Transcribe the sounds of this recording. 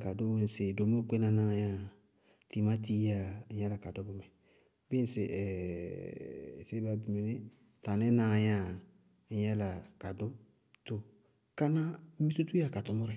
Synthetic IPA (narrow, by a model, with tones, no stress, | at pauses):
ka˨do˦we˦n̩˨se˨do˨mo˦k͡pe˦na˨na˦˨ja˦ | ti˨ma˦ti˦a˨ɲɛ˦la˨ka˨do˦bʊ˨˦mɛ˨ | bɪ˦˨se˨ʔɛ˨ | se˦ba˨˦˨bi˨me˨ne˦ | ta˨nɛ˦nã˦˨ja˦˨ | ɲɛ˦la˨ka˨do˦ | to˨ | ka˦na˦bi˦tu˦tu˦a˨ka˨tʊ˨˦mʊ˦ɾɛ˨